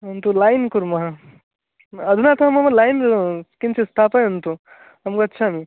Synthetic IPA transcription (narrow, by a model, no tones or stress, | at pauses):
ɦunt̪ulajnkuɾmɐɦa | ɐd̪ʱunat̪oɦɐmɐmɐlajnɾkint͡ʃʰist̪ʰapəjɦunt̪u | ɦɐmkɐtːt͡ʃʰami